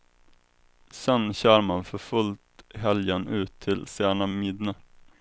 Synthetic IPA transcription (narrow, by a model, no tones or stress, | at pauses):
sɛnɕœːɾmanfœɾfɵlt̪ɦɛljənʉ̟ːt̪ʰːɪlsæːɳamɪd̪nə